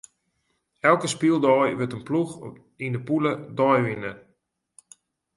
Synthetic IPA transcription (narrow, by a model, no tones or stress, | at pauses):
ɛlˠkəspilˠdɔjʋətənplux | indəpulədɔjʋɪnə